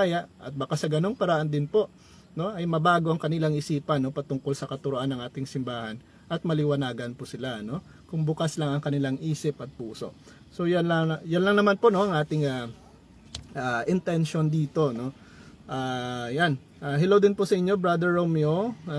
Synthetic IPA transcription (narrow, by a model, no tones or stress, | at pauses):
ajɐʔʔɐ̰t̪̚bɐkasɐɡɐno̞ŋpɐɾɐʔand̪ɪnpo̞ʔ | no̞ʔɐjmɐbaːɡo̞ʔɐŋkɐnɪlaŋɪsiːpɐno̞pɐt̪ʊŋko̞lsɐkɐt̪ʊɾoʔanːɐŋʔaːt̪ɪŋsɪmbaːhɐn | ʔɐt̪̚mɐlɪwɐnaːɡɐnpʊsɪlano̞ | kʊŋbʊkaslɐŋɐŋkɐnɪlaŋʔiːsɪpɐt̪̚puːso̞̰ʔ | so̞janlɐjanlɐŋnɐmanpono̞ɐŋʔaːt̪ɪŋa | ʔaːʔɪnt̪ɛnʃo̞nd̪iːt̪o̞no̞ | ʔaːjan | ʔaːɦɪlowd̪ɪnpʊsɐʔɪɲːo̞bɾad̪ɛɹːomjo